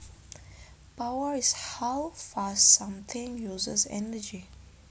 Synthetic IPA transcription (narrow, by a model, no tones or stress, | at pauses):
pawəɹizhawfassãmt̪ʰĩŋjuːzəzɛ̰nəd͡ʒi